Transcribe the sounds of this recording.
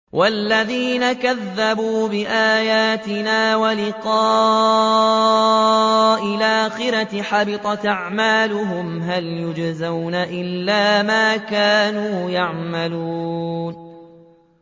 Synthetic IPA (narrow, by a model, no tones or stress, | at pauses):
wʔalːaðiːnakaðːabuːbɪʔaːjaːt̪ɪnaːwalɪqɑː | ʔɪlʔaːxɪɾat̪ħɑbɪt̪ˤɑt̪ʔaʕmaːlʊɦʊmɦaljʊd͡ʒzawnaʔɪlːaːmaːkaːnuːjaʕmaluːn